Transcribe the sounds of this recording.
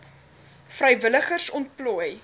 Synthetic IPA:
frəjvələχərsɔnt̚pluəj

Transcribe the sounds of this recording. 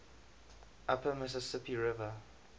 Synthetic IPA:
ʔapəmɪsəsɪpiɹɪvə

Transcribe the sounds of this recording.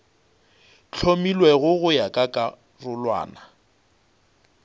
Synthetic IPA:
t͡ɬʰomilwɛɣʊɣʊjakʼakʼa | rʊlwa̰ːna

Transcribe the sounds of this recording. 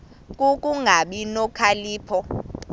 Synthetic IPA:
kʼukʼuŋɡʱaɓinɔkʰaliːpʰɔ

